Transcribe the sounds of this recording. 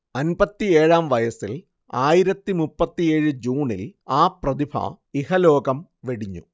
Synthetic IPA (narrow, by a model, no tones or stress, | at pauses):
ɐnbɐt̪ːie̞ːɻaːmʋɐjɐsil | aːjiɾɐt̪ːimupːɐt̪ːije̞ːɻɨd͡ʑuːɳilaːprɐðibʰʱɐ̰ | ihɐlo̞ːɡɐmʋeɽiɲːṵ